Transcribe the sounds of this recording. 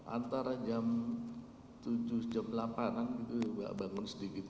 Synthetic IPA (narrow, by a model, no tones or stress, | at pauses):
ʔa̰nt̪aɾad͡ʒam | t̪ud͡ʒʊhd͡ʒamlapananɡit̪uŋɡa̰ʔbaŋʊnsədikit̪